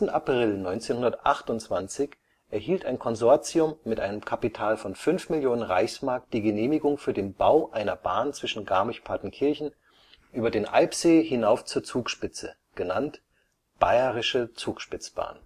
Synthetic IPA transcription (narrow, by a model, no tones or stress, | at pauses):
tn̩apʁ̥ɪlnɔʏnt͡seːnhʊndɐtʔa̰χtʊnt͡sv̥ant͡sɪç | ʔɛɐhɦiːltaɪnkʰɔnzɔɐt͡siʊmːɪtʔa̰ɪnəmkʰapitʰaːlfɔnfʏnfmɪljoːnənʁa̰ɪçsmaɐk̚t̚d̥iːɡəneːmɪɡʊŋfyːɐdeːnbaʊʔaɪnɐbaːnt͡sv̥ɪʃn̩ɡaɐmɪçpʰaɐtn̩kʰɪɐçn̩ | ʔyːbɐdeːnʔa̰ɪpz̥eːhɪnaʊft͡suːɐt͡suːkʃpɪt͡sə | ɡ̥əna̰nt | b̥aɪəʁɪʃət͡suːkʃpɪt͡sb̥a̰ːn